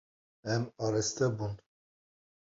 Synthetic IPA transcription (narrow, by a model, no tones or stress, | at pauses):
ɛmɑɾɛst̪ɛbun